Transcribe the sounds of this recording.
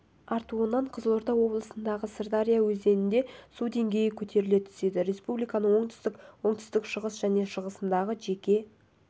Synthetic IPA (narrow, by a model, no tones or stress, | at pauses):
ɑɾt̪uənːɑɴqʰəzlˠoɾt̪ɑwo̞blˠəsənd̪ɑʁəsɪrd̪aɾʲijawɵze̞nɪnd̪e̞sud̪e̞ŋɡʲe̞jɪkʲʰɵt̪ʰe̞ɾɪle̞t̪ʰʏ̥se̞d̪ɪɾe̞spublijkɑnəɴwo̞ɴt̪ʏ̥st̪ɪkwo̞ɴt̪ʰʏ̥st̪ɪkʃəʁəsʒ̥æne̞ʃəʁəsənd̪ɑʁəʒe̞kʲe̞